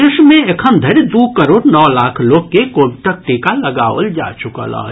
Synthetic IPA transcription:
eʃmẽekʰəmd̪ʱɐɾd̪uːkəɾoːɽnɔːlaːkʰloːɡ̚kekoːbʈ̪ək̚ʈikalɐɡaːʋəld͡ʒa̰ːt͡ʃʊka̰la̰ː

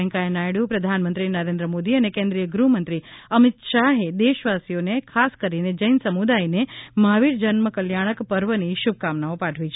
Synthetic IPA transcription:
ɛ̃ŋkaenajɽupɾəd̪ʱanmənt̪ɾinəɾẽnd̪ɾəmod̪iənekẽnd̪ɾijəɡɾumə̃nt̪ɾiəmit̪ʃaɦed̪eʃʋasijonekʰaskəɾined͡ʒəjnsəmud̪ajnemaʋiɾd͡ʒənməkəljaɽ̃əkpəɾʋəniʃub̚kamnaopaʈʰʋit͡ʃʰ

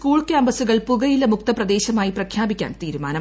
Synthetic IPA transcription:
kuːɭkʲjaːmbɐsuɣɐɭpuɣɐjilːɐmuk̚t̪ɐprɐd̪e̞ːɕɐmaːjiprɐkʰjaːbikʲːa̰ːnt̪iːɾumaːnɐ

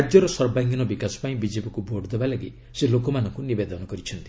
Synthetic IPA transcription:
d͡ʒjɔɾɔsɔɾbaŋɡɔnɔbikasɔ̥paĩbid͡ʒepikubʱoɾɖd̪ebalaɡḭ | selokɔmanɔŋkunibed̪ɔnɔkɔɾit͡ʃʰɔnt̪i

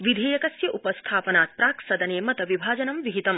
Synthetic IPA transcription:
ʋid̪ʱiːjɐkɐsjɐʔupɐst̪ʰaːpɐnaːt̪̚pɾaːksɐd̪ɐneːmɐt̪ɐʋibʱaːd͡ʒɐnɐmʋiɦit̪ɐm

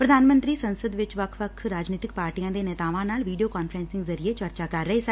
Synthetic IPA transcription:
pɾəd̪aːnmə̃nt̪ɾiːsənsəd̪ʋɪt͡ʃʋəkʰʋəkʰɾaːd͡ʒniːt̪ɪk̚paːɾʈijãːd̪eːnɛːt̪aːʋãːnaːlʋiːɖijoːkaːnfʰɾɛ̃ːnsɪ̃ŋɡzəɾieːt͡ʃəɾt͡ʃaːkəɾːəeːsɛ

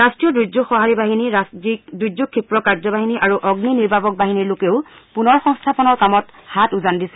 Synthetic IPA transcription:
ɹastɹijɔdɹud͡ʒuxɔɦaɹibaɦiniaidɹud͡ʒukʰːipɹɔkaɹzɔbaɦiniʔaɹuʔɔɡniniɹbʱabɔk̚baɦiniɹlokeʊpunɔɹxɔŋstʰapɔnɔɹkamɔthatuzandisɛ

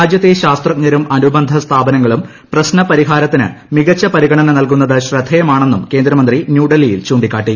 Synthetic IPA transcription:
aːd͡ʑjɐt̪ːeɕaːst̪rɐk̚ɲɐɾumɐnubɐnd̪ʱɐst̪ʰaːbɐnɐŋːɐɭum | prɐɕnɐpɐɾiɦaːɾɐt̪ːinɨ̰ | miɣɐt͡ɕːɐpɐɾiɣɐɳɐnɐnɐlkun̪ːɐðɨɕrɐd̪ʱɐjɐmaːɳe̞nːumke̞ːnd̪ɾɐmɐnd̪rinjuːɖɐlijilt͡ɕuːɳɖikʲːaːʈːi

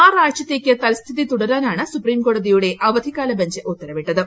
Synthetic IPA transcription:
aːraːʂjɐt̪ːeːkʲːɨt̪ɐlst̪ʰiðit̪uɽɐɾaːnaːɳɨsupriːmko̞ːɽɐðijuɽe̞ʔɐʋɐd̪ʱikaːlɐbɐɲd͡ʑɨʔut̪ːɐɾɐʋiʈːɐðɨ

